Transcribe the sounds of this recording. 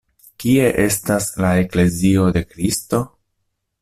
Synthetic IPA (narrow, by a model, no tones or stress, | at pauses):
kie̞ʔe̞staslae̞kle̞zio̞de̞kɾisto̞